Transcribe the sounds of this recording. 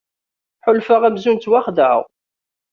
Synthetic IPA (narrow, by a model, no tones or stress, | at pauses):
ħʊlfəʁæmzunt̪waχðəʕ̰w